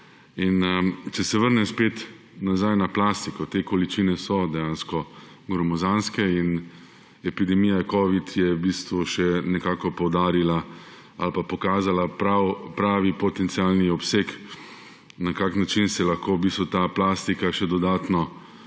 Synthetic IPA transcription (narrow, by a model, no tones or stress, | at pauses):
int͡ʃɛsɛʋəɾnɛspeːt̪ | nazajnaplaːst̪ikɔt̪eːkɔlit͡ʃiːnɛsɔd̪ɛjanskɔ | ɡɾɔmɔzanskɛin | ɛpid̪ɛmiːjakɔːʋit̪jɛwbiːst̪ʋuʃɛnɛkaːkɔpɔwd̪aːɾila | alpapɔkaːzalapɾawpɾaːʋipɔt̪ɛnt̪sialniɔpseːk | nakaknat͡ʃinsɛlaxkoːbiːst̪ʋut̪aplast̪ikaʃɛd̪ɔd̪aːt̪nɔ